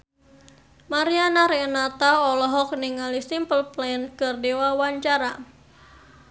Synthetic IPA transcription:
maɾianaɾenat̪aɔlɔɦɔk̚niŋalisimpəlplɛnkɨrdiwawaɲt͡ʃaɾa

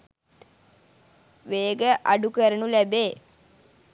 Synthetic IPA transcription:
ʋeːɡəʔa̰ɖukəɾənulæbeː

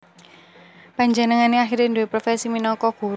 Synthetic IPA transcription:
paɲd͡ʒənəŋaneaxiɾndowepɾofɛsiminɔkɔɡ̥ṳ

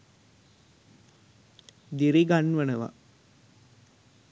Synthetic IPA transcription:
d̪iɾiɡanʋənəʋa̰

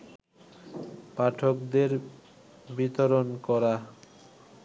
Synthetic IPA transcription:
paʈʰokd̪eɾ | bit̪oɾonkɔɾa

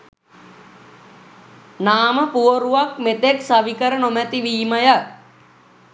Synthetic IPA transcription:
naːməpuoɾuʋakmet̪eksaʋikəɾənomæt̪iʋiːməja

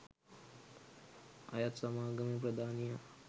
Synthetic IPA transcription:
ɐ̰jat̪sɐmaːɡɐmip̬ɾɐd̪ʱaːnija

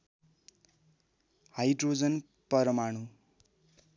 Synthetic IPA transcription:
hajɖrod͡zʌn | pʌɾʌmaɽ̃u

